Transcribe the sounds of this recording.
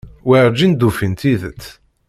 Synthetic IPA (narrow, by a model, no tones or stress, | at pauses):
wiɾd͡ʒind̪ufint̪iðət̪ː